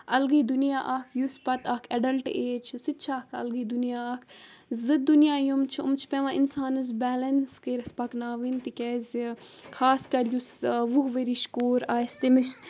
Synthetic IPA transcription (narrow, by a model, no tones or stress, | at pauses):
ɐlɡiːd̪unjaːʔaːkʰjuspɐt̪akʰɐɖɐlʈeːt͡ʃʰsɨt̪t͡ʃʰaːkʰɐ̰lɡiːd̪unijaaːkʰ | zɨd̪̚ːunjaːjumt͡ʃʰiṵmt͡ʃʰi̥peʋãːinsaːnɨz̬bɛːlɐnskeɾt̪̚ʰpɐknaːʋint̪ikɛːzʲkʰaːskɐɾjusʋuɦʋeɾiːʃkoːɾaːst̪imiʃ